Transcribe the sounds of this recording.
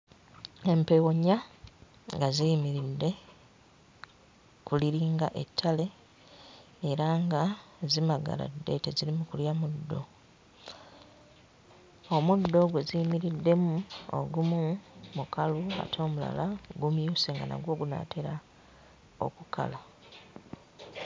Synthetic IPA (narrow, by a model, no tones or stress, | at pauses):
e̞mpewoɲa | ŋɡazijimiɾidːe̞ | kuliɾiːŋɡaʔe̞tʰːale̞ | ɾaŋɡazimaɡa̰la̰dːe̞̰tezilimukuljamudːo | omudːo̞ɡwe̞zijimiɾidːe̞muo̰ɡumumukalua̰tʰo̞ːmula̰laɡumjuːseːŋɡana̰ɡwo̞ːɡuna̰tʰeɾa | o̞̰kukʰa̰la